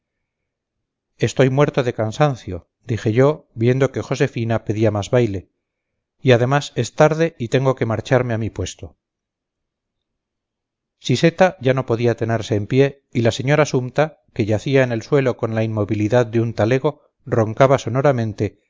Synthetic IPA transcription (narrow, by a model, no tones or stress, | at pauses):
e̞st̪o̞jmwe̞ɾt̪o̞ðe̞kansanθjo̞ | d̪ixe̞ʝo̞βje̞nd̪o̞ke̞xo̞se̞finape̞ðiamazβajle̞ | iaðe̞mase̞st̪aɾðe̞it̪e̞ŋɡo̞ke̞maɾt͡ʃaɾmeamipwe̞st̪o̞ | sise̞t̪aʝano̞po̞ðiat̪e̞ne̞ɾse̞ːmpje̞ | ilase̞ɲo̞ɾasumt̪a | ke̞ʝaθiaene̞lswe̞lo̞ko̞nlainmo̞βiliðaðd̪eunt̪ale̞ɣ̞o̞ | ro̞ŋkaβaso̞no̞ɾamẽ̞nt̪e̞